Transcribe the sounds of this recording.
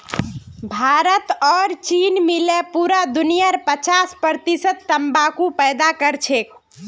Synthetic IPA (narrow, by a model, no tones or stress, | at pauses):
bʱaɾət̪ɔːɾt͡ʃinmilepuɾad̪unijəɾpət͡ʃaspəɾt̪isət̪ːəmbakupɛjd̪akəɾt͡ʃʰek